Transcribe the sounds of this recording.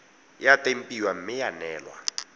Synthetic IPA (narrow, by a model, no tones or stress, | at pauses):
jatʼem̩pʼiwam̩mɪjanɛːlwa̰